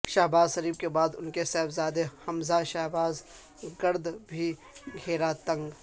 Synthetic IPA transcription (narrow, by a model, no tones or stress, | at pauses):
ʃaɦbaːzʃɐɾiːb̚kebaːd̪ʊnkesɛːbzaːd̪ehɐmzaʃaɦbaːz | ɡɐɾd̪bʱi | ɡʱeːɾat̪ɐ̃ŋɡ